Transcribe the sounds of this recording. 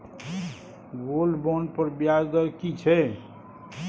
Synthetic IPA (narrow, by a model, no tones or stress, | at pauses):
ɡolbɔnpəɾbjad͡ʒd̪əɾkit͡ʃʰɛ